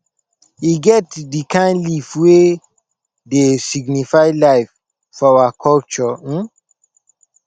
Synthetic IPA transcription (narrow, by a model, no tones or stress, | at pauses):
iɡɛtdikãɪ̃nlifwe | desiɡnifaɪlaɪf | fɔawakʰɔlt͡ʃɔ